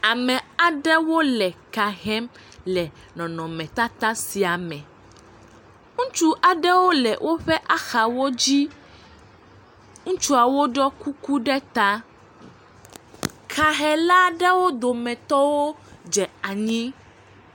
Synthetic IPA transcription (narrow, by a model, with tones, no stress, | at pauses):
a˨mɛ̃˨a˨ɖɛ˦wo˦lɛ˨ka˨ɦɛ˦m | lɛ˨ | nɔ̃˨nɔ̃˨mɛ̃˨t̪a˦t̪a˦si˨a˨mɛ̃˨ | ŋũ˦t͡ʃu˦ʔa˨ɖɛ˦wo˦lɛ˨wʔo˦ɸɛ˦ʔa˨xa˨wo˦d͡ʑi˦ | ŋũ˦t͡ʃu˦a˨wo˦ɖɔ˦ku˦ku˦ɖɛ˦t̪a˦ | kʰa˨ɦɛ˨la˦ɖɛ˦wo˦d̪o˨mɛ̃˨t̪ɔ˦wo˦d͡ʒɛ˨a˨ɲĩ˦